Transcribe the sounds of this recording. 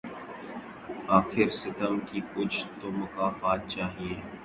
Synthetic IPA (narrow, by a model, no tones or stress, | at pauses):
aːxɪɾsɪt̪əmkiːkʊt͡ʃʰt̪oːmʊkaːfaːt̪̚t͡ʃaːɦieː